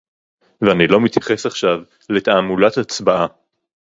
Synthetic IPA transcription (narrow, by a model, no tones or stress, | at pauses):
veanilo̞mit̪jḁχe̞saχʃav | le̞t̪aːmulat̪at͡sbaʔa